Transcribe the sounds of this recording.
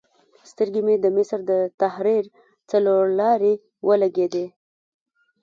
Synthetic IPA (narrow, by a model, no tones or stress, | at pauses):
st̪əɾɡemed̪əmɪsɾd̪ət̪ahɾiɾ | t͡saloɾlɑɾe | wʔəlaɡed̪e